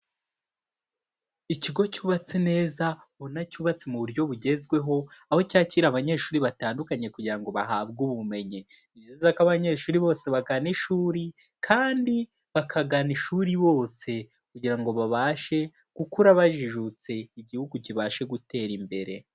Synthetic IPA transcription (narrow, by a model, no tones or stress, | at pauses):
iciɡo̞cuːβat͡sene̞ːza | βo̞nacuːβat͡semuβuɾjo̞βuɟe̞zɡwe̞ɦo̞aho̞caːciɾaβaɲe̞ːʃuːɾiβataːndukaɲe̞kuɟiɾaŋɡo̞βaɦaːβɡuβume̞ɲi | niβjiːzakaβaɲe̞ːʃuːɾiβo̞ːse̞βaɡaniʃuːɾi | kʰaːndi | βakʰaɡaniʃuɾiβo̞ːse̞ | kuɟiɾaŋɡo̞βaβaːʃe̞ | ɡ̥ukuɾaβaʒiʒut͡se̞iɟihuɡuciβaːʃe̞ɡute̞ːɾimbe̞ɾe̞̰